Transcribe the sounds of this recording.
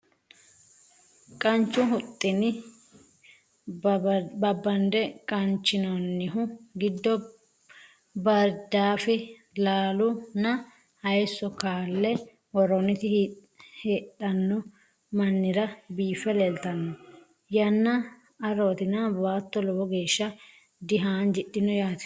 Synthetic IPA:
kʼɐnt͡ʃːʊɦʊt̪ʼːɪnɪ | bɐbːɐnd̪ɛkʼɐnt͡ʃːɪnɔnːɪɦʊɡɪd̪ːɔ | bɐɾd̪aːfɛ | laːlʊnɐ | hɐjsːɔkaːlːɛ | wɔɾɔnɪt̪ɪ | heːɗɐnːɔ | mɐnːɪɾɐbiːfɛlɛlt̪ɐnːɔ | jɐnːɐ | ɐɾoːt̪ɪnɐbaːt̪ːɔlɔbɔɡeːʃːɐ | d̪ɪɦaːnd͡ʒɪɗːɪnɔjaːt̪

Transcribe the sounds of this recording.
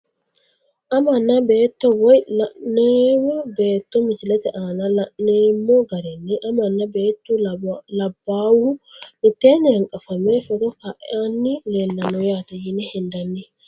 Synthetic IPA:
ʔɐmɐnːɐbe̞ːt̪ːɔwɔjlɐʔneːmɔbe̞ːt̪ːɔmɪt͡ʃɪlɛt̪ɛʔaːnɐlɐʔneːmːɔɡɐɾɛnːɛʔɐmɐnːɐbeːt̪ːulɐbːaːwumɪt̪ːeːnːɛhɐŋkʼɐfɐmefɔɾɔkaʔaːnːɪleːlːɐnɔjaːt̪ɛjɪnɛhɛnd̪ɐnːɛ

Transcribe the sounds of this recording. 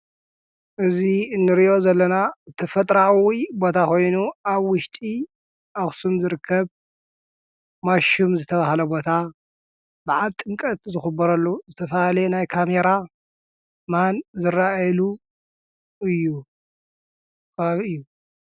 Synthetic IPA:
ʔɨzinːɨɾiʔo̞zɐlːɐnat̪ʰɐfɐt̪ʼɾawibo̞t̪ʰakʰo̞jnuaβwʊʃt̪ʼi | ʔaxsumzɨɾɨkʰːɐβ | maʃumzɨt̪ʰɐβahlɐbo̞t̪ʰa | bɨʕalt̪ʼːɨŋkʼɐt̪zɨxɨbːɐɾɐlːuzɨt̪ʰɐfɐalɐjnajkʰame̞ɾa | manzɨɾalu | ɨjːu | kʰaβɨjːu

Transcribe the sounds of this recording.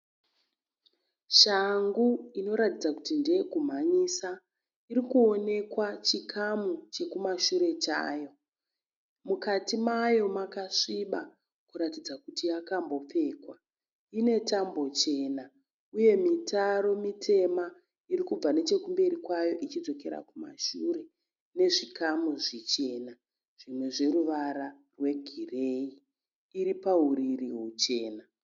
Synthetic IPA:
ʃaŋɡuino̞ɾatid͡zakutinde̞ɡʱum̤aɲisa | iɾikuo̞ne̞kwat͡ʃikʰamut͡ʃe̞kumaʃuɾe̞t͡ʃa̰ːjo̞ | mukatimajo̞makaʂiɓa | kuɾatid͡zakutijakambo̞p͡fe̞ːkwa | ine̞tambo̞t͡ʃe̞ːna | uje̞mitaɾo̞mitʰe̞ma | irikub͡vane̞t͡ʃe̞kumbe̞ɾikwajo̞ʔit͡ʃid͡zo̞ke̞ɾa̰kuma̰ʃuɾe̞ | ne̞ʐikamuʐit͡ʃe̞ːna | ʐ̥imwe̞ʐe̞ɾuʋaɾa | rwe̞ɡʱire̞i | iɾipaɦuɾiriɦut͡ʃe̞ːna

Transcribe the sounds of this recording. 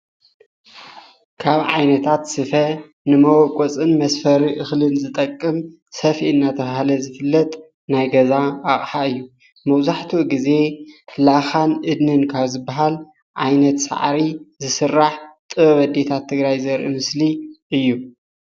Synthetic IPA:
kʰaβʕajnɐt̪ʰat̪sɨfɐ | nɨmɐwɔkʼɔt͡sʼɨnmɐsfɐɾiʔɨxlɨnzɨt̪ʼɐkʼːɨm | sɐfiʔɨnːat̪ʰɐβahlɐzɨfɨlːɐt̪ʼ | najɡɐzaːχʼħaɨjːu | mɐβzaħt̪ʰuɡize̞laxanʔɨd̪nɨnkʰaβzɨbːaɦal | ʕajnɐt̪sa̰ʕɾizɨsɨrːaħt̪ʼɨβɐβɐd̪et̪ʰat̪ʰːɨɡɾajzɐɾʔɨ̰mɨsliʔɨjːu

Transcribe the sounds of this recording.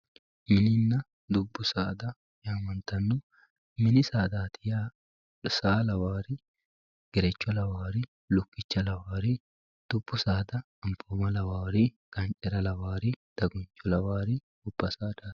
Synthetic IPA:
mɪnɪnːɐ | d̪ʊbːʊsaːd̪ɐ | jaːmɐnt̪ɐnːʊ | mɪnɪsaːd̪aːt̪ʰɪja | saːlɐwaːɾi | ɡ̥ɛɾɛt͡ʃːɔlɐwaːɾɪ | lʊkːɪt͡ʃːɐlɐwaːɾi | d̪̥ʊbːʊsaːd̪ɐ | ɐmpʰoːmɐlɐwaːɾi | ɡ̥ɐnt͡ʃʼɛɾɐlɐwaːɾid̪̥ɐɡʊnt͡ʃʼːɔlɐwaːɾi | ʊb̥ːɐsaːd̪ḁː

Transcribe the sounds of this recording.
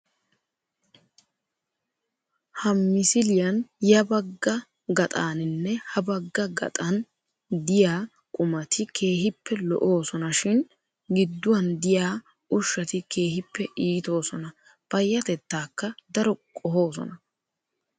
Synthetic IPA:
hɐmːɪsɪlɪjɐnjɐbɐɡːɐ | ɡɐt̪ʼaːnɪnːɛhɐbɐɡːɐɡɐ̰t̪ʼɐn | d̪ɪjaː | kʼʊmɐt̪ʰɪkʰe̞ːɦɪpːɛlɔ̰ʔo̞ːsɔnɐʃɪn | ɡɪd̪ːʊwɐnd̪ɪjaː | ʊʃːɐt̪ɪke̞ːhɪpːɛʔiːt̪o̞ːsɔnɐ | pɐjːɐt̪ɛt̪ːaːkːɐd̪ɐɾɔkʼɔɦo̞ːsɔ̰nɐ

